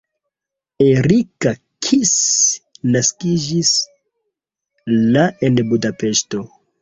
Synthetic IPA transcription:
eɾika | kʰis | naskid͡ʒis | lae̞nbudape̞ʃto̞

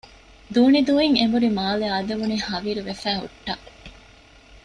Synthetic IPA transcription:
d̪uːnid̪uːiŋemuɾimaːleaːd̪eʋunihɐʋiːɾuʋefæːɦṵʈːɐ

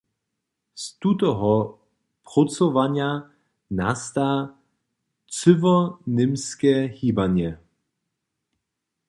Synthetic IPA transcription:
st̪ut̪ɔɦɔ | pʁɔt͡sɔvaɲja | nast̪a | t͡sʏvɔnɪmskɛhiːbaɲɛ

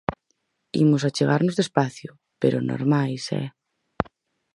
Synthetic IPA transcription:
ḭmʊsat͡ʃeɣaɾnʊzðespaθjʊ | pḛɾʊnʔo̰ɾmajsɛ̰

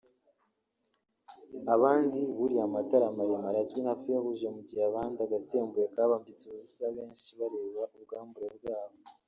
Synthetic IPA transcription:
aβaːndiβuɾiamataɾamaɾemaɾazwinhafijahuʒemuɟijaβaːndaɡaseːmbuɾekaːβaːmbit͡suuβusaβeːnʃiβaɾeːβaʔuβɡaːmbuɾeβbɡaːβo

